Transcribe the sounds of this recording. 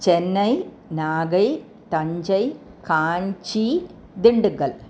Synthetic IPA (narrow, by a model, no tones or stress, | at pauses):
t͡ɕenːɐj | naːɡɐj | t̪ɐɲd͡ʑɐj | kaːɲt͡ɕi | d̪iɳɖɨɣɐl